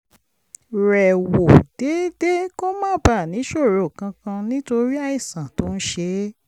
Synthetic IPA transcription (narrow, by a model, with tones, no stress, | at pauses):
ɾɛ˨wo˨d̥e˨˦de˦ko˦mãː˦˨ba˦˨nĩ˨˦ʃo˦˨ɾo˨kã˧kã˧nĩ˦to˧ɾi˦a˦˨i˦˨sã˨to˨˦ñ̩˦ʃe˧